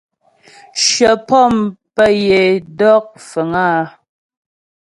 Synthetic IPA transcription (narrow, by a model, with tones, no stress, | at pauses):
ʃə˨pɔ˦˨mpə˦je˨dɔ˦k̚fə˨ŋaː˦